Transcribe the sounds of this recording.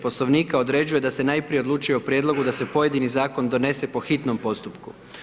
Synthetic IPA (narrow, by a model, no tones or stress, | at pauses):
po̞slˠo̞ʋniːkao̞d̪ɾe̞d͡ʑuje̞d̪ase̞naːjpɾije̞o̞d̪luːt͡ʃujeopɾjeːd̪lˠo̞ɡud̪ase̞po̞je̞d̪inizaːko̞nd̪o̞ne̞se̞po̞xit̪no̞mpo̞st̪upku